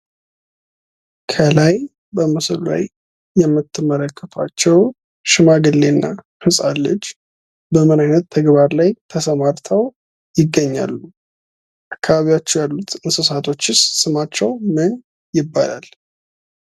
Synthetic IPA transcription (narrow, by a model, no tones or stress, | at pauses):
kʰəlaj | bəmɨslla̰jː | ɛmːɨt̪ʰːɨmːələkʰːət̪ʰwat͡ʃːɛw | ʃɪmaɡɨlːe̞nːa | fɨsʼalːəd͡ʒ | bəmɨnajnət̪ʰːəɡβaɾlajt̪ʰəsəmaɾt̪ʰəw | jɪɡːəɲːa̰lːu | ʔʔakːaβaβiwat͡ʃːɛwjalːut̪ɨnsɨsat̪ʰo̞t͡ʃːɪssɨmat͡ʃːɛwmɨn | jɪbːa̰la̰l